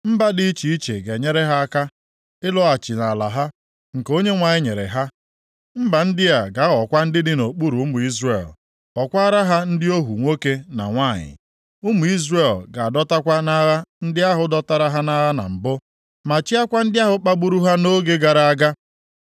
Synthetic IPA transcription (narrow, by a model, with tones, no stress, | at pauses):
m̩˦ba˦dɪ˦i˦t͡ʃi˨i˦t͡ʃḛ˨ɡe˨ɲe˦ɾe˦ɦa˦a˦ka˦ | ɪ˦lɔ˦a˨t͡ʃɪ˨na˨la̰˨ɦa˦ | ŋ̩˨ko˦ɲe˦ŋʷa˨ɲɪ˦ɲe˨ɾḛ˨ɦa˦ | m̩˦ba˨n̩˦dɪ˦ja˨ɡa˨˦ɣɔ˨kʷa˦n̩˦dɪ˦dɪ˦no˨k͡pu˦ɾu˨u˦mʊ˨i˦zrḛ˨l | ɔ˨kʷa˦ɾa˦ɦa˦n̩˦dɪ˦o˦ɦu˨ŋʷo˦ke˦na̰˨ŋʷa˦˨ɲɪ̰˨ | ʊ˦mʊ˨i˦zre˦˨lɡa˨a˨dɔ˦ta˦kʷa˦na˦ɾa˦n̩˦dɪ˦a˦ɦʊ˨dɔ˦ta˦ɾa˦ɦa˦na˦ɾa˦na̰˨m̩˨bʊ˦ | ma˨t͡ʃi˦a˦kʷa˦n̩˦dɪ˦a˦ɦʊ˦k͡pa˦ɡ͡bu˦ɾu˦ɦa˦no˦ɡe˦ɡa˨ɾa˨a˦ɡa˦